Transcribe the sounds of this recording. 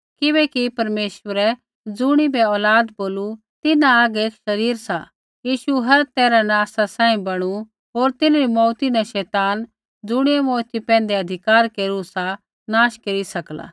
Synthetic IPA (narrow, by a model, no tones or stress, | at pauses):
kɪbɛkipɐɾmeːʃwəɾɛ | d͡zʊɽ̃ibʱɛɔːlaːd̪boːlu | t̪ɪnãːɡeːkʃɐɾiːɾsa | jiːʃuɦɐɾt̪ɛːɾanaːsasãːĩbɐɽ̃u | ɦoːɾt̪ɪnɾimɔːt̪inɛʃɛːt̪aːn | d͡zʊɽ̃iɛmɔːt̪ipɛ̃ːnd̪eɐd̪ʱɪkaːɾkeːɾusa | naːʃkeːɾisɐkla̰ː